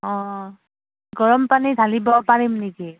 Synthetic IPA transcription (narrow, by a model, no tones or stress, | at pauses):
ɔ̃ | ɡɔɹɔmpanidʱalibɔpaɹimniki